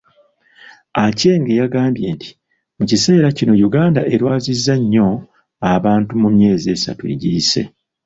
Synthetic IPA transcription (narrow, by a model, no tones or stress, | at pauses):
ace̞ːŋɡe̞jaɡaːmbje̞ːnti̥ | mucise̞ːɾacino̞juɡaːndaʔe̞ɾwaːzizːaɲːo̞ | aβaːntumumje̞ːzie̞ːsa̰tuḛɟiːse̞̰